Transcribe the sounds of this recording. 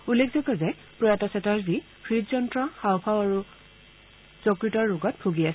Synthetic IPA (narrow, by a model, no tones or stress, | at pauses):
ulːekʰzɔkɔzɛ | pɹɔjatɔsɛtaɹzi | kʰɹitzɔntɹɔxawpʰawaɹu | z̥ɔkɹitɔɹɹʊɡɔt̚bʰʱuɡias